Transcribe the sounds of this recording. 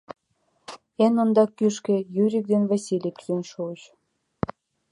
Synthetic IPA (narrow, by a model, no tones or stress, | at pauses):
enŏnd̪ɑkːyʃkĕjyɾʲik̚d̪envɑsʲilʲikzønʃuəʃ